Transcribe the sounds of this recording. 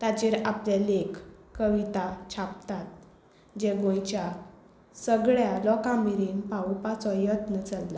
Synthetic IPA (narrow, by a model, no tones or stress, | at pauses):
t̪at͡ɕiɾaplelekkːəʋit̪at͡ɕʰapt̪at̪̚ | d͡ʑeɡõjt͡ɕja | səɡɭjalɔkãmiɾinpaupat͡sɔjət̪nət͡səlla